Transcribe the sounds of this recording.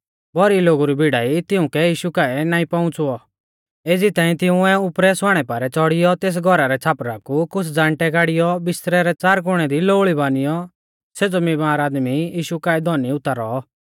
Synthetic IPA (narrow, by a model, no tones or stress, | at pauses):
bɔɾiloːɡuɾibʱiɽaːit̪ɪʊ̃kɛjiːʃukaːɛnaːĩpãʊ̃t͡suɔ | eːd͡zit̪aːĩt̪ɪ̃ʊ̃ɛʊpɾɛsaːɽ̃ɛpaːɾɛt͡sɔɽɪjɔt̪eːs̬ɡʱɔɾaɾɛt͡sʰaːpɾakukʊt͡sʰd͡zãːɳʈɛkaːɽɪjɔbɪst̪ɾɛɾɛt͡saːɾk̬ʊɽ̃ɛd̪iloːɭibaːnɪjɔ | seːd͡zɔmimaːɾaːd̪mijiːʃukaːɛd̪ʱɔniʊt̪ːaɾɔ̰